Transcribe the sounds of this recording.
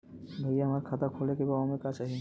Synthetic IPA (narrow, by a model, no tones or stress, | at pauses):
b̪ʱojeamaɾkʰat̪akʰolekebaɔmekat͡ɕaɦi